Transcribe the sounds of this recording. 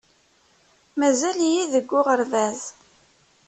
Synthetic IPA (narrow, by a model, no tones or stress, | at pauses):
mæzælijiðəɡʷːʊʁəɾvæð